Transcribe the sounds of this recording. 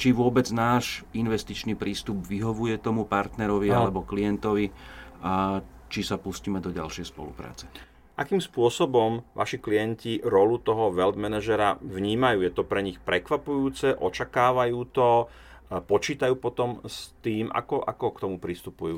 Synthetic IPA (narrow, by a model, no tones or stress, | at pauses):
t͡ʃiʋʊɔbɛd͡znaːʃinʋɛst̪it͡ʃniːpɾiːst̪ubʋiɦɔʋujɛt̪ɔmupaɾt̪nɛɾɔʋialɛbɔklijɛnt̪ɔʋiat͡ʃisapusciːmɛd̪ɔɟa̰lʃɪɛjspɔ̰lṵpɾa̰ːt͡sɛ̥ | ʔa̰kiːmspʊɔsɔbɔmʋʔa̰ʃiklijɛnciɾɔlut̪ɔɦɔʋɛld̪mɛnaʒɛɾaʋɲiːmajuːjɛt̪ɔpɾɛɲixpɾɛkʋapujuːt͡sɛʔɔt͡ʃakaːʋajuːt̪ɔ | pɔt͡ʃiːt̪ajuːpɔt̪ɔmst̪iːmʔa̰kɔʔa̰kɔkt̪ɔmupɾist̪upujuː